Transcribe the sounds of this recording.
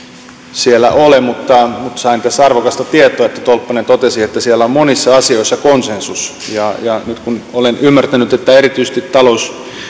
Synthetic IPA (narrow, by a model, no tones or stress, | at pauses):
sielːæ̰ʔolemut̪ːɑmut̪sɑint̪æsːɑrʋokɑst̪ɑt̪iet̪ˑoɑet̪ːæt̪olpːɑnent̪ot̪esiet̪ːæsielːæommonisːɑɑsioisːɑkonsensus | jɑjɑnyt̪kunolenymːært̪ænyt̪et̪ːæerit̪yise̥t̪it̪t̪ɑlous